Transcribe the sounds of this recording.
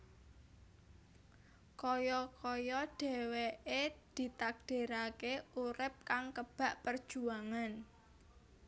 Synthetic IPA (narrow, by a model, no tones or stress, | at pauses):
kɔjɔkɔjɔɖ̥ɛ̤weʔed̪̥i̤t̪ak̚ɖ̥e̤ɾakeuɾɪp̚kaŋkəb̥a̤ʔpərd̥ʒ̥uaŋan